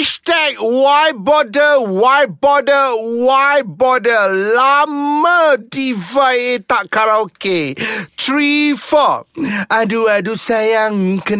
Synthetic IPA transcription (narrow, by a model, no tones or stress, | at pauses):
stɛk̚waj̚bɔdəwaj̚bɔdəwaj̚bɔdəlamədivajet̪aʔkaɾaoket̪ɹifɔaduadusajaŋkə